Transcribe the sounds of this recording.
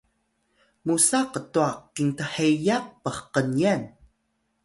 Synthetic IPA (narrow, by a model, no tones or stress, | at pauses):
musaqətuaqintaħejaq̚pəχqənian